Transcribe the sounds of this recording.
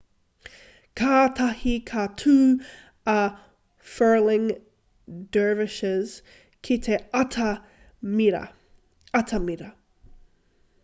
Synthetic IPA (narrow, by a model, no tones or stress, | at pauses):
kʰaːt̪ʰɐhikʰat̪ʰuː | ɐ | fɜ˞lɪ̃ŋ | dɜːvɪʃɪz̥ | kʰit̪ʰeɐtʰɐ | miɾɐ̰ | ɐt̪ʰɐmiɾɐ